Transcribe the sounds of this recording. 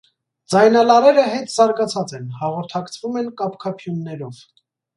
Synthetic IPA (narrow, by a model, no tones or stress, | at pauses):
d͡zɑjnɑlɑɾɛɾəɦɛt̪z̥ɑɾɡɑt͡sʰɑt͡sɛnhɑʁɔɾt̪ʰɑkt͡sʰvumɛnkɑpkʰɑpʰjunːɛɾɔv